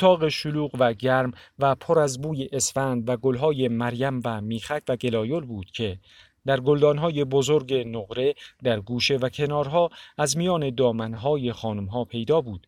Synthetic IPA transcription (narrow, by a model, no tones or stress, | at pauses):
ot̪ʰɒːɣe̞ʃoluːɣvæɟæɾmvæpʰoɾæzbuːje̞ʔːsfænd̪væɡolɦɒːje̞mæɾjæmvæmiːxæcʰvæɡe̞lɒːjolbuːd̪̥cʰe̞ | d̪̥æɾɡold̪ɒːnɦɒːje̞bozoɾɟe̞noɣɾe̞d̪æɾɡuːʃe̞væcʰe̞nɒːɾɦɒːæzmijɒːne̞d̪ɒːmænɦɒːje̞xɒːnumɦɒːpʰe̞jd̪ɒːbuːd̪̥